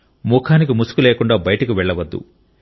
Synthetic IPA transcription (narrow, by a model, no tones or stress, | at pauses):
muːkʰaːnik̬imusu̥kuleːkuɳɖaːbɐjɐʈɐkiʋɛɭːɐʋɐd̪ːṵ